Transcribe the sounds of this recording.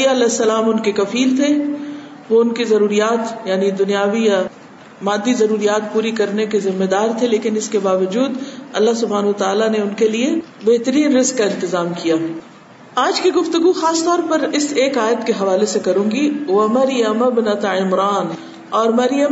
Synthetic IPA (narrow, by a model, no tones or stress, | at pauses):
jaɐlɛsːɐlaːmʊnkekɐfiːlt̪ʰe | ʋoʊnkezɐɾuːɾijaːt̪jaːnid̪ʊnijaːʋija | maːd̪ːizɐɾuːɾijaːt̪puːɾikɐɾnekezɪmːed̪aːɾt̪ʰeleːkɪnɪskebaːʋɐd͡ʒuːd̪ɐ̰lːaɦsʊbʱaːnɦuʋət̪aːlaneʊnkeliebeɦt̪əɾiːnɾɪzkːaɪ̃nt̪ɪzaːmkijaː | aːd͡ʒkiɡʊft̪ʊɡuxaːst̪ɔːɾpɐɾɪseːkaːjət̪keɦɐʋaːlesekɐɾũːɡiʋɐmɐɾjəmɐbnat̪aɪmɾaːn | ɔːɾmɐɾjə